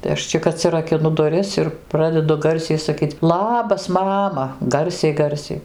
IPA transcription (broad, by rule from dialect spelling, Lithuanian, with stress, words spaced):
tɐɪ ˈɐʃ t͡ʃʲɪk ɐtʲsʲɪrɐkʲɪˈnʊ dʊˈrʲɪs ɪr ˈprɑːdʲɛdʊ ˈɡɐrʲsʲɛɪ sɐˈkʲiːt͡s ˈlˠɑːbɐs ˈmɑːmɐ ˈɡɐrʲsʲɛɪ ˈɡɐrʲsʲɛɪ